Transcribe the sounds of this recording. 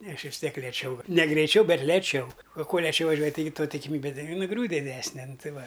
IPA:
ˈnʲɛ ˈɐʃ ʋʲɪs ˈtʲiɛk lʲiɛˈt͡ʃʲɛʊ nʲɛ ɡrʲɛɪˈt͡ʃʲɛʊ ˈbʲɛt lʲɛˈt͡ʃʲɛʊ ˈkuɔ lʲɛˈt͡ʃʲɛʊ ʋɐˈʒʲuɔjɪ tɐɪˈɡʲɪ ˈtuɔ tʲɪkʲɪˈmʲiːbʲɛ tʲɪ nʊˈɡrʲuːtʲ dʲɪˈdʲæːsʲnʲɛ ˈnʊ ˈtɐɪ ˈʋɐ

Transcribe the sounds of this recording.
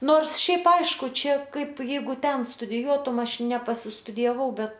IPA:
ˈnoːrs ˈʃʲɛɪp ˈɐɪʃkʊ ˈt͡ʃʲɛ ˈkɐɪp ˈjɛɪɡʊ ˈtʲɛn stʊdʲɪˈjuɔtʊm ˈɐʃ nʲɛpɐsʲɪstʊdʲɪjɛˈʋɐʊ ˈbʲɛt

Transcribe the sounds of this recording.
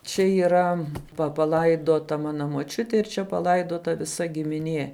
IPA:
ˈt͡ʃʲɛ iːˈrɐ pɐ pɐˈlˠɐɪdoːtɐ ˈmɑːnɐ moːˈt͡ʃʲʊtʲɪ ɪr ˈt͡ʃʲɛ pɐˈlˠɐɪdoːtɐ ʋʲɪˈsɐ ɡʲɪmʲɪˈnʲiɛ

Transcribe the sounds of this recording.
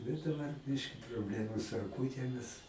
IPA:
bʲɛt dɐˈbɐr ˈbʲɪʃʲkʲɪ proːbʲˈlʲæːmʊ sʊ ɐˈkuːtʲeːmʲɪs

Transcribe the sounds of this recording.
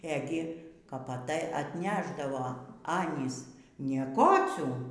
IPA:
ˈæːɡʲɪ kɐp ɐˈtɐɪ ɐtʲˈnʲæːʒdɐʋoː ˈɑːnʲiːs nʲiɛˈkoːt͡sʲuː

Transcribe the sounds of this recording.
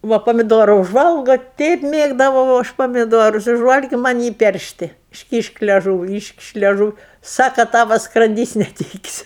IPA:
ˈʋɐ pɐmʲɪˈdoːrɐ ʊʒˈʋɐlˠɡoː ˈtʲɛɪp ˈmʲeːɡdɐʋɐʊ ˈɐʃ pɐmʲɪˈdoːrʊs ʊʒˈʋɐlʲɡʲʊ ˈmɐnʲ ˈjiː ˈpʲɛrʲʃʲtʲɪ ɪʃʲˈkʲiːʃk lʲɛˈʒuːʋʲɪ ˈiːʃʲkʲɪʃʲ lʲɛˈʒuːw ˈsɑːkɐ ˈtɑːʋɐ skrɐnʲˈdʲiːsʲ nʲɛˈtʲiːkʲɪsʲ

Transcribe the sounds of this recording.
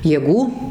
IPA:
jeːˈɡuː

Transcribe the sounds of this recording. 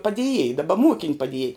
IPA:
pɐdʲeːˈjeːj dɐˈbɐ ˈmoːkʲeːnʲ pɐˈdʲeːj

